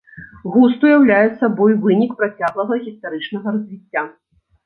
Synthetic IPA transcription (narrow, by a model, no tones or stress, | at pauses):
ɣust̪ujawlʲajɛt̪sːɐbɔjvɨnʲikpɾat͡sʲaɣlˠɐɣɐɣʲist̪aɾɨt͡ʂnɐɣɐɾɐzʲvʲit͡sʲːa